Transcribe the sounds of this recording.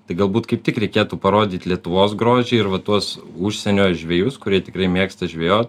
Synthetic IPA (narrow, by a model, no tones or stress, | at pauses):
t̪ɐɪɡɐlˠbuːt̪kɐɪp̚t̪ʲɪkɾʲɛɪkʲeːt̪uːpɐɾoːd̪ʲiːt̪ʲlʲiɛt̪ʊʋoːsɡɾoːʒʲɪːɪɾʋɐt̪uɔsuʃʲsʲɛnʲoːjʒʲʋʲeːjʊskʊɾʲiɛt̪ʲɪkɾɐɪmʲiɛkst̪ɐʒʲʋʲeːjoːt̪ʲ